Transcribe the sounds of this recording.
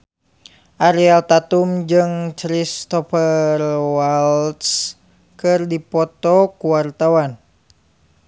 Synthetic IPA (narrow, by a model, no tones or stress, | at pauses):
ʔaɾialt̪at̪umd͡ʒɨŋt͡ʃɾist̪ɔfərwalt̪s | kɨrdipɔt̪ɔkuwart̪awan